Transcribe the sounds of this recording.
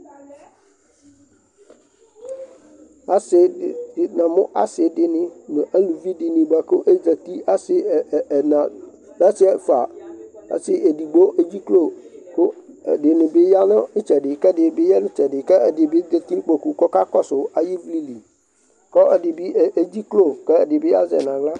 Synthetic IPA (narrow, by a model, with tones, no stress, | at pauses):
a˦sɪ˨dɪ˨nã˨mʊ̃˦ʔa̰˦sɪ˨dɪ˨nɪ̃˨nʊ̃˨ʔa˦lũ˨vi˦dɪ˨nĩ˨ɡ͡ba˨kʊ˦ʔe˦d͡za˨t̪i˦a˦sɪ˦˨nã˨ | bɛ˦sɪ˦ɛ˦fa˨a̰˨sɪ˦ʔe˨di˨ɡ͡bo˦e˦d͡ʑi˦klo˦˨kʊ˦˨dɪ˨nɪ̃˨bɪ˦ja˦nʊ̃˦nʊ˦t͡ʃɛ˨dɪ˨kɛ˦dɪ˨bɪ˦jɛ˦nʊ̃˦t͡ʃɛ˨dɪ˨kɛ˦ɛ˨dɪ˨bɪ˦d͡ze˨t̪i˦k͡po˨ku˨kɔ˦ka˦kɔ˦sʊ˨a˨ji˦vli˦li˨ | kɔ˦ʔɛ˨dɪ˨bi˦˨e˦d͡ʑi˦klo˦˨kɛ˦˨dɪ˨bɪ˦a̰˦zɛ̰˨nã˨la˦